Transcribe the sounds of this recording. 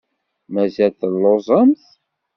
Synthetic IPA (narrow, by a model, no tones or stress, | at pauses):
mæzælθəlːozˤəmθ